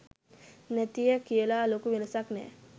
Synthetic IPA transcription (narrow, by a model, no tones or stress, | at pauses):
næt̪ijəkijəlaːlokuʋenəsaknɛ̰ː